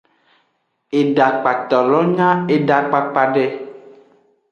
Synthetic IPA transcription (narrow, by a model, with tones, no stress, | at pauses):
e˨ɖa˨k͡pa˨t̪ɔ˨lɔ˦ɲã˦e˨ɖa˨k͡pa˨k͡pa˨ɖɛ˦